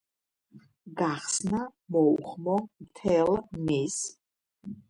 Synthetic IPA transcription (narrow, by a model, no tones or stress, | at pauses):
ɡaχsnamɔuχmɔmt̪ʰɛlmis